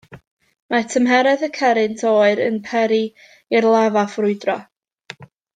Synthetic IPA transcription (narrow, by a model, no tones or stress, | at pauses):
matʰəmɦɛɾɛðəkʰɛɾɨntʰoːɨɾə̰npʰɛɾi | irlˠavafrʊɨdrɔ